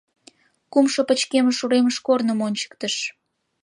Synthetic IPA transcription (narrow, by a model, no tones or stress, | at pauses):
kumʃopət͡ɕkeməʃuɾeməʃkornəmonʲt͡ɕə̥k̚t̪əʃ